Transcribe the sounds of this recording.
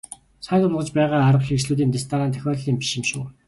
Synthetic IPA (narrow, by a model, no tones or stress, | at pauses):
sæːt̪ʊɾʁə̆t͡ɕpæːʁaːaɾə̆xʲiːksɮuːt̪̬iːnt̪est̪ʰaːnaːnt̪ʰœ̥xʲɔːɮɮiːmpi̥ʃɪ̆mʃuː